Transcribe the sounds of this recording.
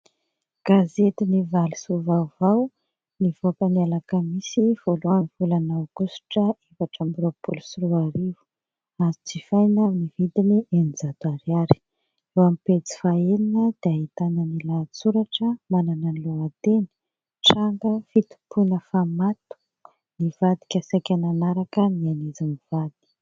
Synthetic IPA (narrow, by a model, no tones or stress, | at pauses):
ɡ̥azet̪inivali̥suvawvaw | nivopanialakəmisiv̥oluanvulanawkusu̥ʈ͡ʂəevaʈ͡ʂambuɾopulusuɾuaɾivu̥ | azit͡sifajnaminivid̪inienid͡zad̪aɾiaɾi̥ | ewamipet͡si̥faeninəd̪̥eaɦit̪anənilat͡suɾaʈ͡ʂəmananənluat̪eni̥ | ʈ͡ʂaŋɡəfit̪u̥pʰunəfamat̪u̥ | nivad̪i̥kʲasajkʲananaɾakəmianizimiv̥ad̪̥i̥